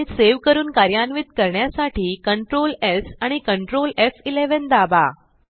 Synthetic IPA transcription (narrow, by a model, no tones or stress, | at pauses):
eseʋkəɾuːnkaɾjanʋit̪kəɾɳjasaʈiːkəɳʈɾolesaɽ̃ikəɳʈɾolefileʋənd̪aba